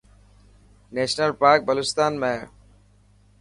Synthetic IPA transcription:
nɛʃnəlpaɾk̚bəlust̪anmɛɾ

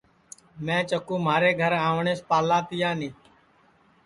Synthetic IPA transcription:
mɛ̃ːt͡ʃəkũːmaːɾeːɡʱəɾãːʋɳeːspaːlaːt̪ɪjaːnĩː

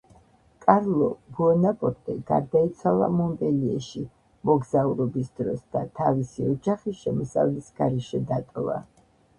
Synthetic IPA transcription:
kʼaɾlˠɔbuɔnapʼɔɾt̪ʼɛɡ̥aɾd̪ait̪sʰwalˠamɔmbʼɛliɛʃi | mɔɡzauɾɔbisd̪ɾɔsd̪̥at̪ʰavisiɔd͡ʒaχiʃɛmɔsa̰vlɛsɡ̥aɾɛʃɛd̪at̪ʼɔva̰

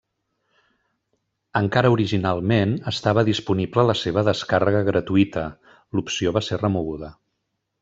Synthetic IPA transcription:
əŋkaɾəuɾiʒinalˠmenəst̪aβəðispuniblələseβ̞əðəskarəɣəɣɾət̪uit̪ə | lupsioβaserəmuɣ̞uðə

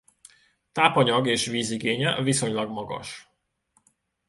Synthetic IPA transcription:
t̪aːpɒɲɒɡeːʃviːziɡeːɲɛviso̞ɲlɒɡmɒɡɒ̰ʃ

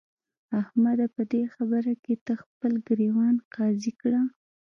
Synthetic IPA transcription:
ahmad̪apəd̪exabəɾaket̪əxpəlɡɾewɑnqɑzikɽa

